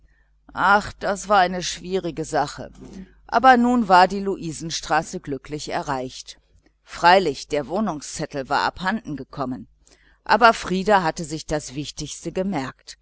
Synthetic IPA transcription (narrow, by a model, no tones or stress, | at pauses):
ʔaχd̥asv̥aːɐʔaɪnəʃv̥iːʁɪɡəzaχə̰ | ʔa̰ːbɐnuːnvaːɐdiːluʔiːzn̩ʃtʁ̥aːsəɡlʏklɪçɛ̰ɐʁaɪçt | fʁ̥aɪlɪçd̥eːɐvoːnʊŋst͡sɛtl̩va̰ːɐʔa̰phandn̩ɡəkʰɔmən | ʔa̰ːbɐfʁ̥iːdaɦatəzɪçd̥asv̥ɪçtɪçstəɡəmɛɐkt